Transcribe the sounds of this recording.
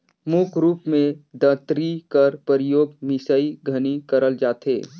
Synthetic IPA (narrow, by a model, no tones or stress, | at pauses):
mukʰɾuːpmẽd̪ət̪ɾikɐɾpəɾɪjoːɡmɪsəiɡʱɐnikəɾəld͡ʒaːt̪ʰḛː